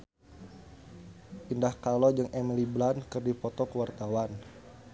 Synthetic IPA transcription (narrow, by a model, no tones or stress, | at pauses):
ʔindahkalɔd͡ʒəŋʔɛmiliblankərdipɔt̪ɔkəwart̪awan